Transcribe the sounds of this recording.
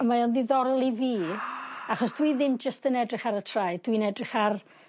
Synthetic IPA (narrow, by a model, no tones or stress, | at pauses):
əmajɔnðiðɔɾlˠiviːaχɔsd̥wiðɪmd͡ʒəstənɛdrɪχaɾətʰrajd̥winɛdrɪχar